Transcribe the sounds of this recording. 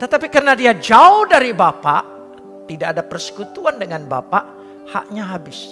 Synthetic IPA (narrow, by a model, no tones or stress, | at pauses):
t̪ət̪apikərnadiad͡ʒaʊhdaɾibapaʔ | t̪idaʔadapərsə̥kut̪uandəŋanba̰paʔ | ha̰ʔɲaɦabɪs